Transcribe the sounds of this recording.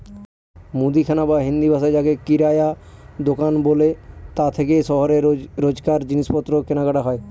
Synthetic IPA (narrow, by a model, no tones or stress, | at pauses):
mud̪ikʰanabaɦĩnd̪ibʱasad͡ʒakekiɾaja | d̪okanbolet̪at̪ʰekeʃɔɦɔɾeɾod͡ʒkaɾd͡ʑinispɔt̪ːɾokenakaʈaɦɔe